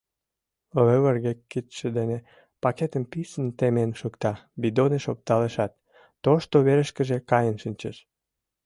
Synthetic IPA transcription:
løβərɣekːit̪ʃĕd̪ene | pɑket̪əmpisənt̪emenʃukt̪ɑbid̪oneʃop̚t̪ɑleʃɑt̪ː | oʃt̪oβeɾəʃkə̆ʒekɑjənʃɨnʲt͡ɕḛʃ

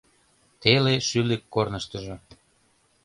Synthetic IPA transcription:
t̪eleʃylekːornəʃt̪əʒo

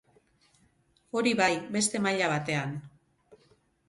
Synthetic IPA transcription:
o̞ɾiβajbe̞st̪e̞maʎaβ̞at̪e̞an

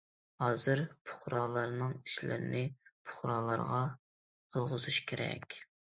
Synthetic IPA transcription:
hɑːzɨɾpʰʊ̥χɾɑːlˠɑɾnɨŋiʃlɪ̰ɾɪnɪpʰʊ̥χɾɑːlˠɑ̰ɾʁɑ | qʰəlˠʁəz̥uʃkʲʰeɾɛ̰kʲ

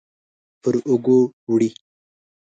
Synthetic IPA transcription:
pəɾʊɡowɽi

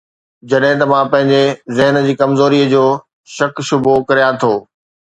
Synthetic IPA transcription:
d͡ʑɐɗɦɪ̃t̪̬ɐʋãpɐ̃ɦɪ̃ɲ̆d͡ʑezɪɦən̆d͡ʑiːkɐmzoːɾiːəd͡ʑoː | ʃɐkʃʊbʱokɐɾijãt̪ʰoː

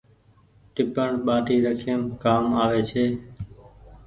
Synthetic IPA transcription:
ʈɪpəɳɓaːʈiːɾəkʰeːmkaːmaːʋeːt͡ʃʰeː

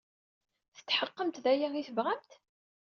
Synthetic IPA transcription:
θə̥t̪ːħəqːəmt̪ðæjæiθəvʁamt̪

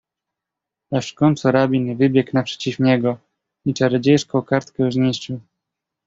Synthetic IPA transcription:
aʂkɔnt̪sɔɾabʲinɛvɘbʲjɛknapʂɛ̥t͡ɕifɲɛɡɔ | it͡ʂaɾɛd͡ʑejʂkɔ̃w̃kaɾt̪kɛwzɲiɕt͡ɕu

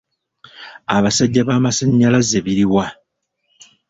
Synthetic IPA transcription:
aβasaɟːaβaːmasaɲːalazeβiɾiwa

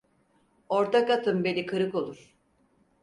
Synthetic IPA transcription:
oɾt̪ʰakat̪ʰɯmbelʲikʰɯɾɯko̞lˠuɾ̥

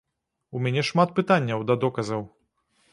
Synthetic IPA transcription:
umʲɛnʲɛʂmat̪̚pɨt̪anʲːɐwd̪ɐd̪ɔkɐzɐw

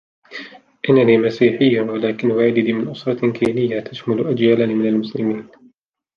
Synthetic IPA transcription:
ʔɪnːaniːmasiːħɪjːawalaːkɪnwaʕɪd̪diːmɪnʔʊsɾˤɑkʰiːnɪjːat̪ʰaʃmalʊʔad͡ʒjaːlaniːmɪnalmʊslɪmiːn

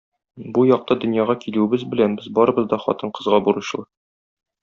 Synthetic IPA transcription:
bujɒq̚t̪ɑd̪ɵ̆njɑʁɑkilʉɘ̆bɘzbɘ̆lænbɘzbɒɾɤ̆bɤ̆zd̪ɒχɒ̰t̪ɤɴqɤ̆zʁɑbuɾɤɕ̆lˠɑ

